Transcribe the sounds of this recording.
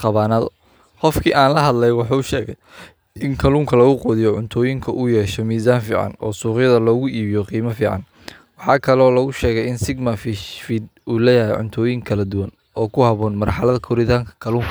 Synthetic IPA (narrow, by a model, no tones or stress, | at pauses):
qɑβaːnɐðɔ | qɔfkʰiːʔaːnlɐɦɐd̪lɛjwɑħuːʊʃɛːɣɛj | ɪŋkʰɐluːŋkʰɐlɐɣʊqɔːðɪjɔʕʊnt̪ʰɔːjɪŋkʰɐʔʊjɛːʃɔmiːsaːnfḭːʕɑ̰nɔːsuːqjɐðɐlɔːɣʊʔiːβɪjɔqiːmɐfiːʕɑ̰n | wɑħɑːkʰɐlɔːlɐɣʊʃɛːɣɛjɪnsɪɡmɐfɪʃfɪd̪̚uːlɛjɐɦɛjʕʊ̰nt̪ʰɔːjɪŋkʰɐlɐd̪ʊwɐn | ɔːkʰʊhɐβɔːnmɐrħɑlɐðɐkʰɔɾɪt̪ʰaːŋkʰɐ̥kʰɐluːŋkʰɐ